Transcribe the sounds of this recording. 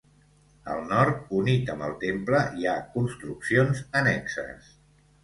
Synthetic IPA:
ə̰lˠnɔɾt̪̚unit̪əmbəlˠt̪empləiakunst̪ɾuksionzənɛksə̰s

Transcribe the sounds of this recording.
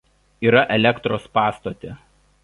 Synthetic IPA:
iːɾɐʔɛlʲɛkt̪ɾoːspɑːst̪ot̪ʲeˑ

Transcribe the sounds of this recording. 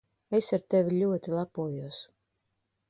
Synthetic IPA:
esaɾt̪evʲilʲuɔt̪ilˠapuɔjuɔs

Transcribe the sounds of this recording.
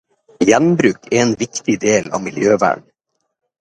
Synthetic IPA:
jɛnbɾʉːkɛeːnʋɪkt̪ɪd̪eːlɑ̰ːmɪljøːʋæ̰ːɳ

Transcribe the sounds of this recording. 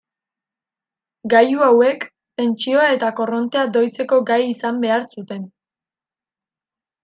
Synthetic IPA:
ɡajuawe̞k | t̪e̞nt͡ʃio̞ae̞t̪ako̞ro̞nt̪e̞ad̪o̞jt͡se̞ko̞ɡajisambe̞aɾsut̪e̞n

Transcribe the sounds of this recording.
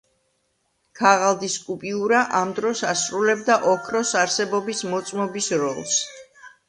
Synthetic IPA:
kʰaʁalˠd̪iskʼupʼiuɾaʔamd̪ɾɔsasɾulɛbd̪aʔɔkʰɾɔsaɾsɛbɔbismɔt̪sʼmɔbisɾɔlˠs

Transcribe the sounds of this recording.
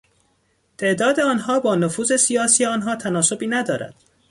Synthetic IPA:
t̪ʰe̞ʔd̪ɒːd̪eɒːnɦɒːbɒːnofuːzesijɒːsiːjeɒːnɦɒːt̪ʰænɒːso̞biːnæd̪ɒːɾæ̰d̪̥

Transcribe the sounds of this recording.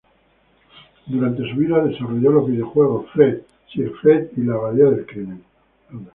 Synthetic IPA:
d̪uɾant̪e̞suβiðaðe̞saroʝolo̞zβiðjo̞xwe̞ɣ̞ofɾet̪ | sifɾet̪ilaβaleaðelkɾinen

